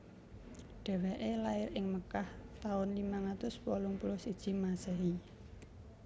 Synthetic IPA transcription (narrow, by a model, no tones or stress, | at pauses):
ɖ̪̥ɛ̤wɛʔelaɪɾɪŋməkaht̪aʊnlimaŋat̪ʊspolʊŋpulʊsid̥ʒ̥i̤masəɦi